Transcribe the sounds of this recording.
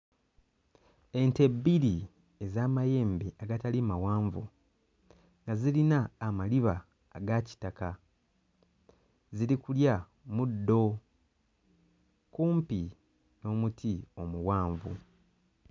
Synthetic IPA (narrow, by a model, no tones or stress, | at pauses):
e̞nte̞bːiɾi | ezaːmaje̞ːmbeaɡatalimawaːɱvu | ŋɡazilinaːmaliβaː | ɡaci̥taka | zilikulja | mudːo̞ | kuːmpi | no̞ːmutʰio̞muwaːɱvṵ